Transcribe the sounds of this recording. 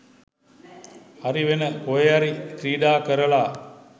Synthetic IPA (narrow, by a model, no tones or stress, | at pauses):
aɾiʋenəkojeaɾikɾiːɖaːkəɾəlaː